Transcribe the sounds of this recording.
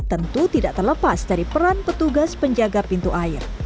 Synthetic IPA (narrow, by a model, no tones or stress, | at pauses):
t̪ənt̪ut̪idaʔt̪ərləpasdaɾipəɾanpət̪uɡaspəɲd͡ʒaɡapint̪uʔaɪr